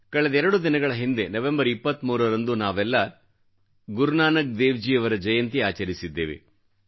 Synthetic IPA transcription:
kɐɭed̪ɐɛɾɐɽud̪inɐɡɐɭɐɦind̪enɐʋembɐɾipːɐt̪ːmuːɾɐɾɐnd̪unaːʋɛlːɐ | ɡuɾnaːnɐk̚d̪eːʋd͡ʒiɐʋɐɾɐd͡ʒɐjɐnt̪iaːt͡ʃɐɾisid̪ːeːʋḛ

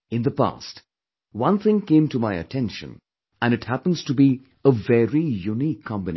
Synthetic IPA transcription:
ɨ̃nðəpa̰st | wʌ̃nθɪ̃ŋkẽɪ̃mtəmaɪɨ̰tʰɛ̃nʃɨ̰̃n | ɨ̃nɨt̚hæpə̃n̩z̥tubi | əvɛɹijunikʰːɑ̃mbɨn

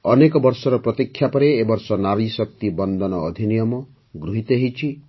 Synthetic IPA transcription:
ɔnekɔbɔɾsɔɾɔpɾɔt̪ikʰːjapɔɾeːbɔɾsɔnaɾisɔk̚t̪ibɔnd̪ʱɔnɔːd̪ʱinijɔmɔ | ɡɾuɦit̪ɔɦit͡ʃʰi

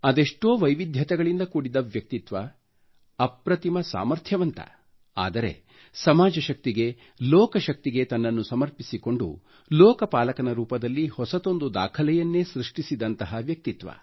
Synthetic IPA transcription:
ɐd̪eʂʈoːʋɐjʋid̪ʱjɐt̪ɛɡɐɭind̪ɐkuːɽid̪ɐʋjɐk̚t̪it̪ʋɐː | pɾɐt̪imɐsa̰ːmɐɾt̪ʰjɐʋɐnt̪ɐ̰ | a̰ːd̪ɐɾe̞̰ | sɐmaːd͡ʒɐʃɐk̚t̪iɡe̞ | lɔːkɐʃɐk̚t̪iɡe̞t̪ɐnːɐnːusɐmɐɾpisiko̞ɳɖṵ | lɔːkɐpaːlɐkɐnɐɾuːpɐd̪ɐlːihɔsɐt̪o̞nd̪ud̪a̰ːkʰɐlɛjɐnːe̞ːsɾiʂʈisid̪ɐnt̪ɐɦɐʋjɐk̚t̪it̪ʋɐ̰

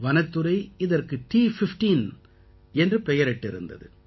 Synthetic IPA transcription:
ʋɐnɐt̪ːɯɾɐɪɪðɐrkɯʈiːfɪfʈiːn | ɛndrɯpɛjɐɾɛʈːɪɾɯ̰nd̪ɐ̰ðɯ̰

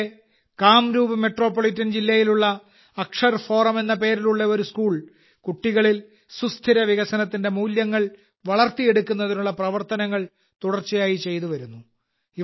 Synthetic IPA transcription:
kaːmɾuːbɐme̞ʈro̞ːpːoɭitːɐnd͡ʑilːɐjiluɭːɐ | ɐkʂɐrfo̞ːrɐme̞nːɐp̬e̞ːɾiluɭːɐo̞ɾuskuːɭ | kuʈːiɣɐɭil | sust̪ʰiɾɐʋiɣɐsɐnɐt̪ːinde̞muːljɐŋːɐɭ | ʋɐɭɐrt̪ije̞ɽukːunːɐðinuɭːɐprɐʋɐrt̪ɐnɐŋːɐɭ | t̪uɽɐrt͡ɕːijaːjit͡ɕe̞jt̪̬uʋɐɾunːu | i

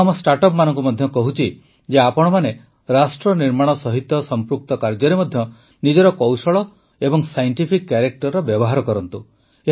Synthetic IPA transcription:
amɔsʈaɾʈɔpmanɔŋkumɔd̪ʱjɔkɔɦut͡ʃʰi | d͡ʒeapɔɽ̃ɔmane | ɾasʈɾɔniɾmaɽ̃ɔsɔɦit̪ːɔsɔmpɾuk̚t̪ɔkaɾd͡ʒɔɾemɔd̪ʱjɔ | nid͡ʒɔɾɔkɔwsɔɭɔ | ebɔŋsajɳʈipʰikːjaɾek̚ʈɔɾːɔbjɔbɔɦaɾɔkɔɾɔnt̪u | e

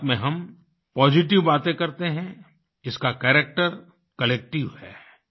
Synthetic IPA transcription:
mẽɦɐm | pɔːd͡ʒɪʈ̬ɪʋbaːt̪ẽkɐɾt̪eɦɛ̃ | ɪskakɛːɾek̚ʈəɾ | kɐlɛːk̚ʈɪʋhɛː

